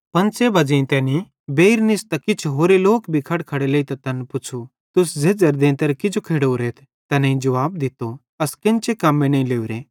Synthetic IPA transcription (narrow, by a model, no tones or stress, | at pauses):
pɐ̃nsebɐd͡ʒẽĩt̪ɛːni | beːiɾnɪst̪ɐkɪt͡ʃʰɦoːɾeloːkbʱikʰɐɽkʰɐɽeleit̪ɐt̪ɐnpʊt͡ʃʰu | t̪ʊs̬d͡zeːd͡zɐɾd̪ẽːnt̪ɐɾkɪd͡ʒokʰeːɽoɾeːt̪ʰ | t̪ɛnɐ̃ĩd͡ʒɐʋaːb̚d̪ɪt̪o | ɐskɪ̃nt͡ʃekamːẽnɐĩleːuɾẽː